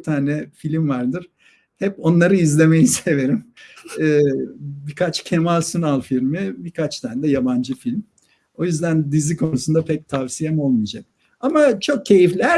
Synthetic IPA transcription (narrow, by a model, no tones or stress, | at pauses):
t̪ʰaːnɛfilʲimvaɾd̪ɯɾ̥ | hɛpo̞nlˠaɾɯizlʲe̞me̞jise̞ve̞ɾimɯːbikʰat͡ʃcʰe̞malʲsunalˠfilʲmibikʰat͡ʃt̪ʰaːnd̪ɛjaband͡ʒɯfilʲm | o̞jyzd̪ænd̪izikʰo̞nusund̪apʰɛc̚t̪ʰavsijemo̞lˠmid͡ʒak̚ | amat͡ʃʰo̞k̚cʰe̞jiflʲæɾ